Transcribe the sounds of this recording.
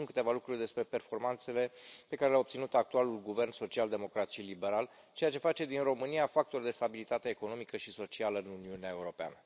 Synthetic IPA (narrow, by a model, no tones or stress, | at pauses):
ŋkɨ̥t̪e̞valukɾurʲd̪e̞spɾe̞pe̞rfo̞rmant̪se̞le̞pe̞kaɾe̞leao̞p̚tsinut̪ak̚t̪ualulɡuve̞rnso̞t͡ʃiald̪e̞mo̞kɾat̪ʃilibe̞ɾal | t͡ʃe̞jat͡ʃe̞fat͡ʃe̞d̪inro̞mɨniafak̚t̪ord̪e̞st̪abilit̪at̪e̞ːko̞no̞mikəʃiso̞t͡ʃialəɨnuniuneae̞uɾo̞pea̰nə